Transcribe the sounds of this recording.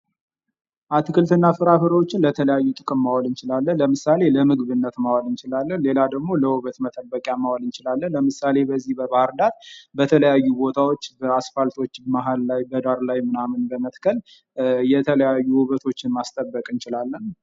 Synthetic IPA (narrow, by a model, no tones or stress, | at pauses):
ʔat̪ʰɨkɨlt̪ɨnːafɨɾafɨɾəwo̞t͡ʃːɪnlət̪ʰələjajːut̪ʼɨkʼɨmːawalɨnt͡ʃɪlalːənləmɨsale̞ləmɨɡβɨnːət̪mawalɨnt͡ʃɪlalːənle̞lad̪əɡmo̞ləwɨβət̪mət̪ʼəbːəkʼjamawalɨnt͡ʃɪlalːənləmɨsale̞bəzːihbəbahɨɾd̪at̪bət̪ʰələjajːubo̞t̪ʰawo̞t͡ʃːbəasfalt̪ʰo̞t͡ʃːmaɦallajbəd̪aɾlajmɨnamɨnbəmət̪kʰəl | jɛt̪ʰələjajːuwɨβət̪ʰo̞t͡ʃːɪnmast̪ʼəbːəkʼɨnt͡ʃɪlalːən